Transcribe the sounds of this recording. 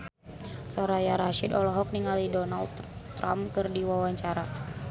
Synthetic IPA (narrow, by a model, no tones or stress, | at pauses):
sɔɾajaɾaʃidɔlɔɦɔk̚niŋalidɔnald̪t̪ːɾa̰mkɨrdiwawaɲt͡ʃaɾa